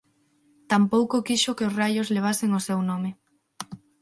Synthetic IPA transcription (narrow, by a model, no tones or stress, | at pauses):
t̪ampowkokiʃokeosrajʊzleβ̞aseŋosewnomɪ